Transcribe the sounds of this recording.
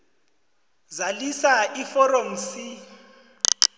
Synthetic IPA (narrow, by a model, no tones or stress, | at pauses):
zalisaifɔrɔm̩si